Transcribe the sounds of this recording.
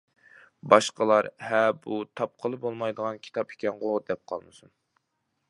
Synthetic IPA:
bɑʃqəlˠɑɾhɛbut̪ʰɑp̚qʰəlˠɨbolˠmɑjd̪əʁɑnkʲʰi̥t̪ʰɑpʰi̥kʲʰɛnʁod̪ɛp̚qʰɑ̰lˠmɨsun

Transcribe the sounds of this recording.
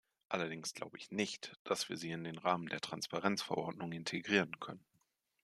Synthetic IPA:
ʔalɐdɪŋsɡ̥lʔa̰ʊbəʔɪçnɪçtd̥asv̥iːɐziːɪndeːnʁaːməndeːɐtʁ̥anspaʁɛnt͡sfɛɐʔɔɐdnʊŋɪntʰeɡʁiːʁənkʰœnən

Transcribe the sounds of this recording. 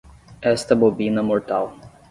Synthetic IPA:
ɛst̪ɐbobĩnɐmoɾt̪aw

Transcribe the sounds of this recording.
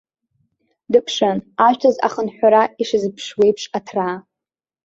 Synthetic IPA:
dɨpʰʂɨnaʒʷᶣtʰɨza̰χənħʷᶣaɾaiʂɨzɨpʰʂwe̞jpʰʂʼatʰraː

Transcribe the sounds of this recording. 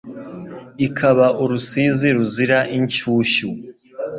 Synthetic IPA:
ikʰaβaʔuɾusiːziɾuziɾaʔiɲt͡ʃuːʃu

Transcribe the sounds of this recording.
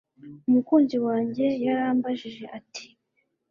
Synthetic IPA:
umukuːɲɟewaːɲɟe̞jaɾaːmbaʒiʒe̞ʔati̥

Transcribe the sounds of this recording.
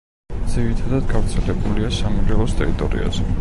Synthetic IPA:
d̪z̥iɾit̪ʰad̪ad̪ɡavɾt̪sʰɛlɛbuliasamulɛlˠɔst̪ʼɛɾit̪ʼɔ̰ɾḭa̰zɛ

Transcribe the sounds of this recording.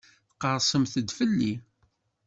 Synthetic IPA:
θqːəɾˤsˤəmθəd̪fəlːi

